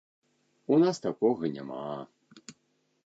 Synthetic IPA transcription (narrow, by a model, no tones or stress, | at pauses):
unast̪akɔɣɐnʲa̰ma